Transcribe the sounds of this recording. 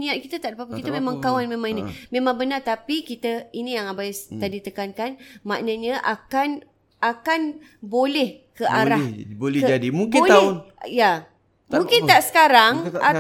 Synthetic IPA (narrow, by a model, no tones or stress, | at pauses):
nĩat̪̚kit̪at̪aʔdapapəkit̪əmẽmãŋkawanmẽmãŋinĩmẽmãŋbənat̪apikit̪əinĩjaŋabajst̪adit̪əkankanmaʔnəɲaʔakan | akanbolɛhkəʔaɾahbolɛd͡ʒadimuŋkɪolaɛnja | mũŋkɪnt̪aʔsə̥kaɾaŋa